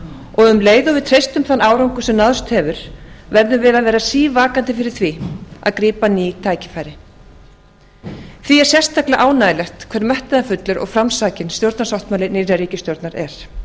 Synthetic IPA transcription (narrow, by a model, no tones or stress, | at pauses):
ɔɣʏmleːjðʏvɪðt̪ʰɾejst̪ʏmθanaːwɾawŋkʏsɛmnaðʏst̪hɛvʏɾ̥vɛɾðʏvɪðaðvɛːɾasiːvaːkant̪ɪfɪɾɪ̥θvia̰ðkɾiːpaniːt̪ʰaːjcɪ̥faːjɾɪ | θviɛɾ̥sjɛst̪aklɪaʔaːwnaːjɪlɛxt̪kʰvɛɾmɛht̪ɪðafʏt̪lʏɾʔɔ̰ɣfɾamsaːcɪnst̪jowɾt̪nasawht̪maːlɪnɪːɾaɾiːcɪst̪jowɾt̪naɾɛɾ̥